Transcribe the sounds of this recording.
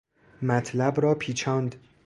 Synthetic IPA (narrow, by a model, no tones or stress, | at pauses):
mæt̪ʰlæbɾɒːpʰiːt͡ʃʰɒːnd̪